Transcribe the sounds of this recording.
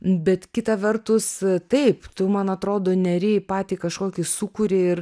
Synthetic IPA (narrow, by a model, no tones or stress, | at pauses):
bʲɛt̪kʲɪt̪ɐʋʲɛrt̪ʊst̪ɐɪpt̪ʊmɐnɐt̪ɾoːd̪oːnʲɛɾʲɛːpɑːt̪ʲiːkɐʃkoːkʲɪsukʊɾʲɪɪr